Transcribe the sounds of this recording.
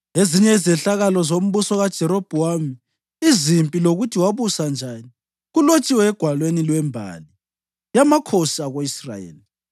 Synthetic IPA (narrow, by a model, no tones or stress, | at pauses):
eziɲɛizɛɬaɣalɔzom̩βusɔɣad̥ʒ̥ʱɛɾob̥ʱuamiː | zimpʼiloɣutʰiwaβusand͡ʒʱani | ɣulot͡ʃʼiwɛːɡ̥ʱwalwenilwɛmbʱa̰ːli | jamakʰosiaɣoisra̰jḛːli